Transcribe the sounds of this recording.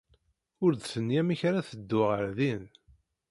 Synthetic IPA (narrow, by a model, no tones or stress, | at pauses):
ʊɾd̪sənjæmiçɾaθəd̪ːʊʁəɾðin